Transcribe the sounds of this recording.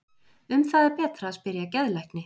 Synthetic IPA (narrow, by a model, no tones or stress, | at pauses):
ʏmθaðɛɾpɛːt̪ɾaːðspɪɾjacɛðlajknɪ